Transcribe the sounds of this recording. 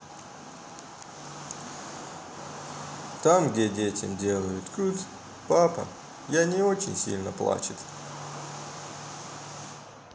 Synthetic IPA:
t̪amɡdʲedʲetʲɪ̰mdʲe̞lˠəjʊt̪kʲut̪ʲ | papə̰ | janʲɪot͡ɕɪ̰nʲsʲḭlʲnəplˠa̰t͡ɕɪt̪

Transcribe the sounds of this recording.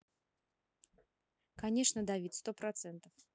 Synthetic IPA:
kanʲɛʂnɐd̪avʲit̪ʲst̪ɔpɾat̪sɛnt̪ɐf

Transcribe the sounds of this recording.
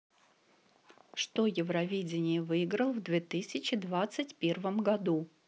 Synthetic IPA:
ʂt̪ojɪvɾɐvʲedʲɪnʲɪjəvɨɪɡɾəlˠvd̪vʲet̪ɨsʲɪt͡ɕɪd̪vat̪sɨtʲpʲe̞rvəmɡɐd̪u

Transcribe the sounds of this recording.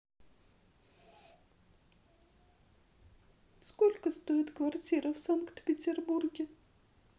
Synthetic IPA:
skolʲkəst̪oɪt̪kvart͡sʲiɾəfsankt̪pʲɪt͡sʲɪrburɡʲɪ

